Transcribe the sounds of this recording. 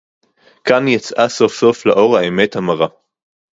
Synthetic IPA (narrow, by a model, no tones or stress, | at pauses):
kanjet͡sʔaso̞fso̞flaʔoʁhaemethamaʁa